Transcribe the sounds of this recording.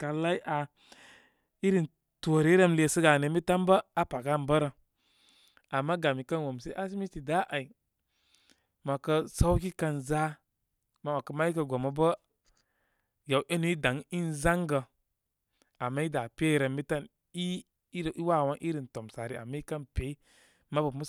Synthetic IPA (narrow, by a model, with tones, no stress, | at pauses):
ka˨la˦i˦ʔa˨ | i˦ɾi˨n | to˨ɾe˦ɾə˦mle˧˨sə˦ɡa˨ne˨mi˦ta˦mbə˦a˦pa˨ɡa˦˨nbə˦ɾə˨ | a˨mːa˦ɡa˨mi˨kə˦nwo˨mse˦ʔa˦si˦mi˦ti˨da˦ʔa˨i˨ | ma˨kə˧sa˦wki˦ka˧nza˦ | ma˨wa˨kə˧ma˦i˦kə˧ɡo˨mə˨bə˦ | ja˨wʔe˦nu˨˦i˦da˨˦ŋi˦nza˦ŋɡə˨ | a˨mːa˦i˦da˨pe˦˨˦ɾə˧mːi˦ta˦n | i˦˨ | i˦wa˦˨wa˦ŋʔi˦ɾi˨nto˨msa˨ɾi˨a̰˨mːa˦i˦kə˦npe˨˦ | ma˦bə˨mu˦